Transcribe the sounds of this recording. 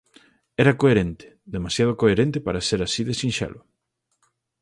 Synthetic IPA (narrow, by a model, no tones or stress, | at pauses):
ɛɾɐkoeɾent̪e̥ | ðemasjað̞okoeɾent̪epaɾaseɾasiðesĩnʃɛ̰lʊ